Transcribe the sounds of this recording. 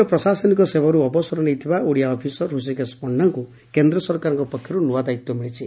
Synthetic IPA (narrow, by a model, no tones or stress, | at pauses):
ɔpɾɔsasɔnikɔsebɔɾuɔbɔsɔɾɔnejt̪ʰibaʔuɽijaɔpʰisɔɦusikespɔɳːaŋku | kend̪ɾɔsɔɾkaɾɔŋkɔpɔkʰjɔɾunuad̪ait̪ːɔmiɭit͡ʃʰi